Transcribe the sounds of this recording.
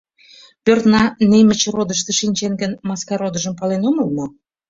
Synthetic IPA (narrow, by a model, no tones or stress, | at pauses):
pørt̪nɑnemə̆t͡ɕrod̪əʃt̪ĕʃinʲt͡ɕeŋɡənmɑskɑɾod̪əʒəmpɑlenoməlmo